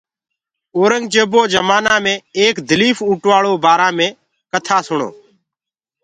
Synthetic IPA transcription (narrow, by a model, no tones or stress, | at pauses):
oːɾəŋɡt͡ʃəboːd͡ʒəmaːnãːmẽːeːkd̪ʱəliːfuːʈʋaːɭoːbaːɾãːmẽː | kət̪ʰaːsʊɳo̰ː